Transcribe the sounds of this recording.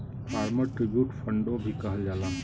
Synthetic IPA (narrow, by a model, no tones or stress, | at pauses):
paːɾməɾʈɾɪbjuːʈfʰə̃ɳɖõbʱikɐɦəd͡ʒaːlãː